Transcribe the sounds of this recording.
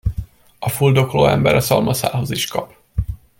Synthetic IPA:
ɒfuld̪o̞kloːɛmbɛɾʔɒsɒlmʔɒsa̰ːɦo̞ziʃkɒp

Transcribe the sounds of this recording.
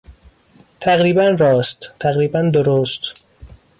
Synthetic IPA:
t̪ʰæɣɾiːbænrɒːst̪t̪ʰæɣɾiːbænd̪oɾoːst̪

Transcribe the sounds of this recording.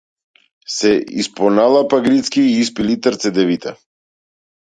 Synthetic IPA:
sɛḭspɔnalˠapaɡɾit̪skiːspilit̪əɾt̪sɛd̪ɛvit̪ʰa

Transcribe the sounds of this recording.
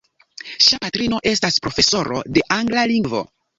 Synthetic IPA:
ʃapatɾino̞ʔe̞staspɾo̞fe̞so̞ɾo̞̰de̞ʔaŋɡlaliŋɡvo̞̰

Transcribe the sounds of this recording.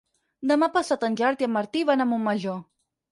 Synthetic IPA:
d̪əmapəsat̪ənʲʒaɾt̪iəmːəɾt̪iβanəmumːəʒo

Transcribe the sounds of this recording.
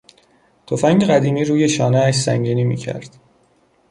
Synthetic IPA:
t̪ʰofæŋɟeɣæd̪iːmiːɾuːje̞ʃɒːneæʃsæ̰ŋɟiːniːmḭːcʰæ̰ɾd̪̥

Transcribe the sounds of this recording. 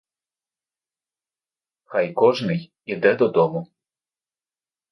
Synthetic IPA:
xajkɔʐnɪj | id̪ɛd̪ɔd̪ɔmʊ

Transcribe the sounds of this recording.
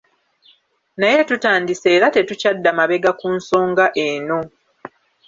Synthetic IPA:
naje̞tutaːndise̞ːɾate̞tucadːamaβe̞ɡakuːnso̞ːŋɡaʔe̞no̞

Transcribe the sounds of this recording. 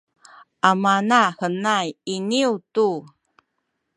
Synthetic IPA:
ʔamanahənajiniutu

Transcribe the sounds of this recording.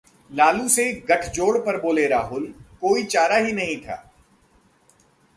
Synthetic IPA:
laːluseɡɐʈʰd͡ʒoːɽpɐɾboːleɾaːɦʊlkoːit͡ʃaːɾaɦinɐɦĩt̪ʰa̰ː

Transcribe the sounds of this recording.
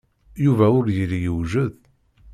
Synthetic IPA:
juvæʊɾjəɾijəwʒəð

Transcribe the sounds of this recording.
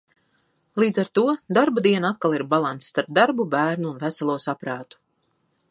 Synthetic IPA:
lˠiːd̪zaɾt̪uɔd̪aɾbad̪iɛnat̪kalˠiɾbalˠant̪sst̪aɾp̚d̪aɾbubæːɾnuːnvæsalˠuɔsapɾaːt̪u̥

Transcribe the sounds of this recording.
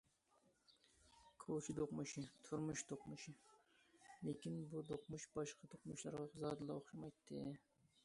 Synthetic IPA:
kʰolˠt͡ʃʰid̪oqmuʃɪt̪ʰuɾmuʃt̪oqmuʃɪ | lekʲinbud̪oqmuʃbɑʃqʰɑt̪ʰoqmuʃlˠɑɾʁɑχzɑd̪ɨlˠɑoχʃɑmɑjt̪ʰːɨ̰

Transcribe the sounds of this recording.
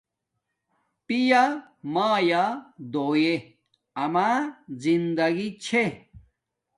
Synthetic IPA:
pija | maːjad̪oːje | ɐmazind̪ɐɡit͡ɕʰe

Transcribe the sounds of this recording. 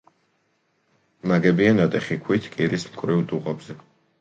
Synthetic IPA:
naɡɛbianat̪ʼɛχikʰwit̪ʰkʼiɾismkʼɾivt̪ʼuʁʼɔbzɛ

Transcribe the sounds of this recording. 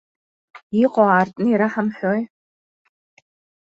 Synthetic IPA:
iqʼoaːrtʼnɨiɾaħamħʷᶣoj

